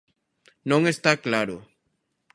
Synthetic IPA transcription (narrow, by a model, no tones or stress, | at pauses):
nõŋest̪aklaɾo